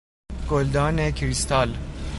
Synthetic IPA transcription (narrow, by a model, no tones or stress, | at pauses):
ɡ̥old̪ɑːnekʰɾist̪ɑːl